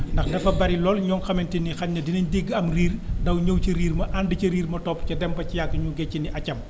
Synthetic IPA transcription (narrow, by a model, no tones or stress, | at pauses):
ndɐxdɐfɐbɐɾilɔːlɲɔŋxɐmɛntinixɐɲnɐdinɐɲdiɡːɐmriːrdɐwɲəwcɐɾiːɾmɐʔandəcɐɾiːɾmɐtɔpːcɐdɛmbɐcijakːəɲuɡɛcːiniʔɐcːɐm